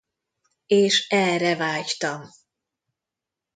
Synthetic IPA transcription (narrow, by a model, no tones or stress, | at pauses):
eːʃɛrɛvaːct̪ɒm